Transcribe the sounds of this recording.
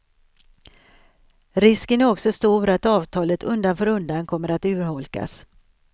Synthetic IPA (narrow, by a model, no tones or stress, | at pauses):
ɾɪskənæɾɔksɔst̪uːɾat̪ɑːvt̪ʰɑːlət̪ʰɵnd̪anfœːɾɵnd̪ankʰɔmːəɾat̪ʉ̟ːɾhɔlka̰s